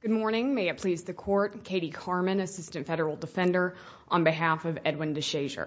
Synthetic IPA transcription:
ɡ̥ʊd̚mɔɹnɪ̃ŋmeɪɨt̚pʰl̥izðɨkʰɔɹt̚kʰeɪɾikʰɑɹmɨ̃nɨsɪstɨ̃ntfɛɾə˞l̩ˠdəfɛ̃ndə˞ | ʔə̃nbɨɦæfʌvɛd̚wɨ̃ndɨʃeɪʒə̰˞

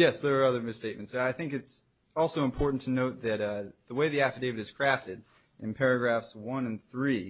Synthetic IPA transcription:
jɛsðə˞ːʌðə˞mɨsteɪt̚mɨ̃ntsaɪθɪ̃ŋkɨts | ɔlˠsoʊə̃mpʰɔɹʔn̩tʰɨnoʊt̪̚ðɨtðəweɪðiæftə˞deɪvɨɾɨz̥kʰɹ̥æftɨɾ | ʔɨ̃npʰɛɹɨɡɹæfswʌ̃nɨ̃nθɹi

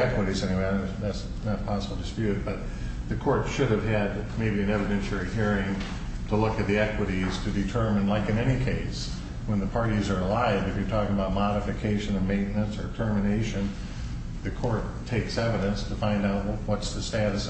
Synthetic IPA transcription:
ɛkwəɾizɛñiweɪðæts | nəpʰɑsəbl̩ˠdɨspjʉt̚b̥ʌt̪̚ | ðɨkʰɔɹtʃʊɾɨv̥ɨd̚ | meɪbiɨ̃nɛvɨɾɛ̃nʃl̩ˠihiɹɪ̃ŋ | tʰəlʊkɨt̪̚ðiɛkwəɾiz̥tʰɨdɨtʰɜ˞mɨ̃nlaɪkɨ̃nɛñikʰeɪs | wə̃nðɨpʰɑɹɾizə˞əlaɪvɨfjə˞tʰɔkɪ̃ŋəbaʊt̚mɑɾɨfɨkʰeɪʃɨ̃nʌvmẽɪ̃nnɨ̃nsə˞tʰɜ˞mɨneɪʃɨ̃n | ðɨkʰɔɹtʰːeɪksɛvɨɾɨ̃nstʰɨfãɪ̃ndaʊt̚wwʌtsðɨstæɾɨs

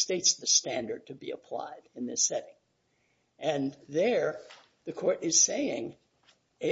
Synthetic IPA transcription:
steɪtsðɨstæ̃ndə˞d̚tʰɨbḭə̰pʰl̥a̰ɪɾɨ̃nðɪsɛɾɪ̃ŋ | ʔɨ̃nðə˞ | ðɨkʰɔɹɾɪz̥seɪɪ̰̃ŋ | ɪ

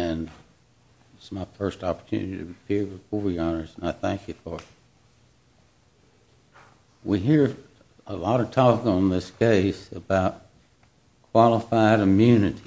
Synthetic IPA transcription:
ɨ̃n | ɪsmaɪfɜ˞stɑpə˞tʰʉ̰̃nɨɾiɾɨpʰɪɹwɨ̥kuviɑnə˞z̃naɪθæ̃ŋkʰjɨfə˞ | wiɦiɹ | əlɔɾə̥tʰɔkɪ̃ŋə̃nðɪskʰeɪsɨbaʊt̚ | kʰw̥ɑlˠəfaɪɾɨmjʉnɨɾi

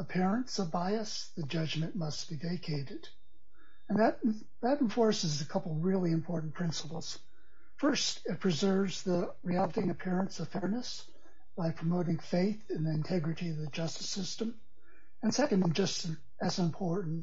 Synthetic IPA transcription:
əpʰɪɹɨ̃nsʌvbaɪɨs | ðɨd͡ʒʌd͡ʒmɨ̃nmʌsb̥iveɪkʰeɪɾɨɾ | ɨ̃nðɨɾ | ðɨɾ̃ɱ̩fɔɹsɨzɨkʰʌpl̩ˠɹɪlˠiɨ̃mpʰɔɹʔn̩pʰɹ̥ɪ̃nsə̥pl̩ˠz̥ | fɜ˞stɨt̚pʰɹ̥ɨzɜ˞vz̥ðə | ɹiælˠəɾɪ̃ŋɨpʰɪɹɨ̃nsʌv̥fɛɹnɨs | b̥aɪpʰɹ̥əmoʊɾɪ̃ŋfeɪθɨ̃nðiɨ̃ntʰɛɡɹɨɾiʌvðɨd͡ʒʌstɨ̥sɪstɨ̃m | ɨ̃nsɛkɨ̃ndɨ̃d͡ʒʌstɨ | ʔɨzɨ̃mpʰɔɹʔn̩

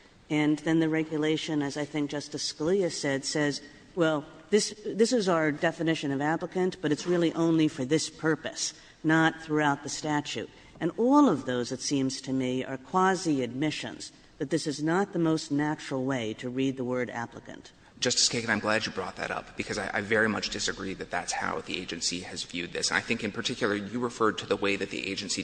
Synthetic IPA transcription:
ɨ̃nðɨ̃nðɨɹɛɡjɨleɪʃɨ̃nɨzaɪθɪ̃ŋk̚d̥ʒ̥ʌstɨskliɨsɛd̥sɛz | wɛlˠðɪsðɪsɨzəə˞dɛfɨnɪʃɨ̃nʌvæpləkɨ̃nb̥ʌɾɨtsɹɪlˠiʔõʊ̃nlifə˞ðɪspʰɜ˞pɨs | nət̪̚θɹuaʊt̪̚ðɨstæt͡ʃʉ̰ɾ | ɨ̃nɔlˠʌvðoʊzðɨtsĩmz̥tʰɨmiə̰˞kʰw̥ɑziɨd̚mɪʃɨ̰̃nz̥ | ðɨt̪̚ðɪsɨznət̪̚ðəmoʊstⁿnæt͡ʃɹ̥l̩ˠweɪɾɨɹid̪̚ðəwɜ˞ɾæ̰pləkɨ̰̃nt | d̥ʒ̥ʌstɨ̥skeɪkɨ̃nãɪ̃mɡlæd͡ʒɨbɹɔ̰t̪̚ðɨ̰ɾʌ̰p̚b̥ɨkʰʌzaɪʔa̰ɪvɛɹimʌt͡ʃd̥ɨsɨɡɹiðɨt̪̚ðætsha̰ʊðiḛɪd͡ʒɨ̃nsiɨzvjʉd̪̚ðɪ̰sɨ̃naɪθɪ̃ŋkɨ̃npʰə˞tʰɪkʰjl̩ˠə˞jɨɹɨfɜ˞d̚tʰɨðəweɪðɨt̪̚ðḭʔḛɪd͡ʒɨ̃nsi

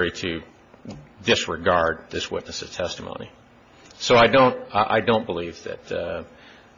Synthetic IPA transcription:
ɹiɾɨ | dɪsɹɨɡɑɹd̪̚ðɪswɪ̰tⁿnɨsɨz̥tʰɛstmõ̰ʊ̃nḭ | soʊaɪdõʊ̃ntʔa̰ɪdõʊ̃nb̥əlivðɨ̰t

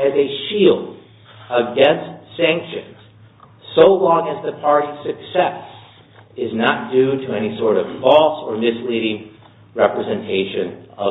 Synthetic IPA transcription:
ɨzɨʃilˠd | əɡɛ̃nstsæ̃ŋkʃɨ̃nz̥ | soʊlɔ̃ŋɨzðɨpʰɑɹɾiz̥sɨksɛs | ɪznət̚d̥ʉɾɨɛñisɔɹɾʌv̥fɔlˠsə˞mɪsliɾɪ̃ŋ | ɹɛpɹɨzɨ̃ntʰeɪʃɨ̃nʌ

